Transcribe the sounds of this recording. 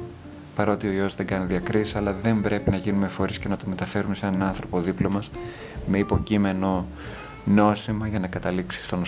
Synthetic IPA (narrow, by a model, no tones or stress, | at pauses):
pɐɾot̪ioio̞zðe̞ŋɡɐniðiɐkɾisi̥sɐlɐðe̞mbɾe̞pinɐʝinume̞fo̞ɾisce̞nɐt̪ome̞t̪ɐfe̞ɾume̞senɐnɐnθɾo̞po̞ðiplo̞mɐs | me̞ipo̞cime̞no̞ | no̞simɐʝɐnɐkɐt̪ɐliksi̥st̪o̞n